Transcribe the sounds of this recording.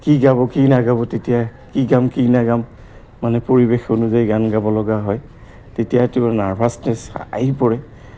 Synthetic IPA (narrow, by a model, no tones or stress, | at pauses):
kiɡaβɔkinaɡabɔtetijakiɡamkinaɡamː | anɛpoɹibexonuzajiɡanɡabɔlɔɡaɦɔj | tetijatʊnaɹbʱasnɛsa̰ɦipɔɹɛ